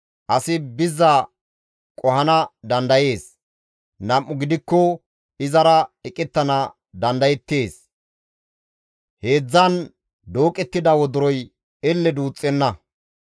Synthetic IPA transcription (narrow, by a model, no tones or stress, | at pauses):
ʔɐsɪbɪzːɐ | kʼɔhɐnɐd̪ɐnd̪ɐje̞ːs | nɐmʔːʊɡɪd̪ɪkːɔ | ɪzɐɾɐɛkʼɛt̪ːɐnɐ | d̪ɐnd̪ɐjɛt̪ːe̞ːs | he̞ːd͡zːɐn | d̪o̞ːkʼɛt̪ːɪd̪ɐwɔd̪ʊɾɔj | ɛlːɛd̪uːt͡sʼːɛnːɐ